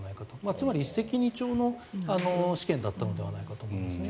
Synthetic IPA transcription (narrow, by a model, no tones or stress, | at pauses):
naikat̪omat͡sɨmaɾʲist̪ekʲiɲ̟it͡ɕo̞ːno̞ano̞ɕi̥kẽ̞nd̪at̪ːano̞d̪e̞βa̰naikat̪o̞ːmo̞ind̪esɨne